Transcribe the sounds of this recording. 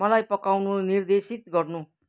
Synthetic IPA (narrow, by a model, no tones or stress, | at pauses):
mʌlajpʌkawnunird̪esit̪ɡʌrnu